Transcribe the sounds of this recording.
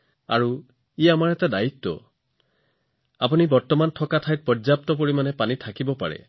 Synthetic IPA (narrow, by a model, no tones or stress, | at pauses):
a̰ɹu | iamaɹɛt̪adait̪ːɔ̰ | apunibɔɹt̪ɔmantʰɔkat̪ʰajt̪̚pɔzjapt̪ɔp̬oɹimanepanit̪ʰakibɔpa̰ɹḛ